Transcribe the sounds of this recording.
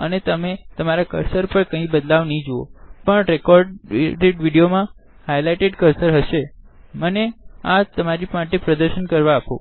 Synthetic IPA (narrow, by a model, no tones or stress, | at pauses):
ənet̪əmet̪əmaɾakə̰ɾsəɾpəɳkə̃ĩbəd̪laʋnəĩd͡ʒoo̰pəɳɾekɔɾɖɾeʈʋiɽijomã | hajlajʈeɖkəɾsəɾɦəʃeməneat̪əmaɾimaʈepɾəd̪əɾʃənkəɾʋaːpo